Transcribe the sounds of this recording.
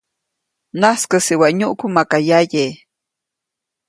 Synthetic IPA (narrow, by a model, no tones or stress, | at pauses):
naskəsiwaʔɲuʔkumakajaje